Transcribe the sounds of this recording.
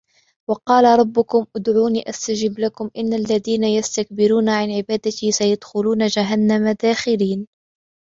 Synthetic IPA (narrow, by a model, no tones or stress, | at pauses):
wɑqɑːlaɾˤɑbːʊkʊmʔʊd̪ʕuːniːʔast̪ad͡ʒɪblakʊmʔɪnːalːaðiːnajast̪ak̚bɪɾuːnaʕanʕɪbaːd̪at̪ɪsajad̪xʊluːnad͡ʒaɦanːamad̪aːxɪliːn